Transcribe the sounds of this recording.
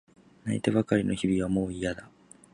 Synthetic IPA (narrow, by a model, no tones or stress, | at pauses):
nait̪eβakaɾʲino̞̰çibʲiβamo̞ːijad̪a